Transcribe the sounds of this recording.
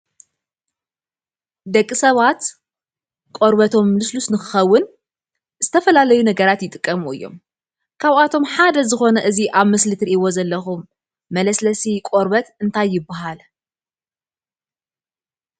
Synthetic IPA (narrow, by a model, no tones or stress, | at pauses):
d̪ɐkʼːisɐβat̪ | kʼo̞ɾβɐt̪ʰo̞mːlɨslusnɨxɨxɐwːʊn | z̥ɨt̪ʰɐfɐlalɐjunɐɡɐɾat̪jɪt̪ʼɨkʼːɐmuɨ̰jːo̞̰m | kʰaβat̪ʰo̞mħad̪ɐzɨxo̞nɐʔɨziʔaβmɨslɨt̪ɾiʔiwo̞zɐlːɐxumː | ɐlɐslɐsikʼo̞ɾβɐt̪ɨnt̪ʰajːɪbːaɦal